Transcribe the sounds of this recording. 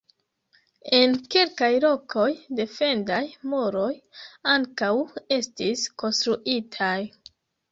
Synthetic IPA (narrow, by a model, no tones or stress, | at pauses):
e̞nkelkajlo̞kʰo̞jde̞fe̞ndajmuɾo̞jaŋkawe̞stisko̞nstɾuʔitʰaj